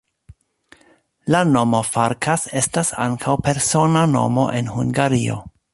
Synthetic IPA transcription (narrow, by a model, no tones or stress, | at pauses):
lano̞mo̞faɾkʰase̞stasa̰ŋkʰawpe̞ɾsonano̞̰mo̞̰ʔe̞nhuŋɡaɾio̞̰